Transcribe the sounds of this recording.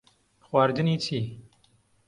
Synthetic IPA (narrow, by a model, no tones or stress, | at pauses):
xwaːɾd̪ɨniːt̪ʰiː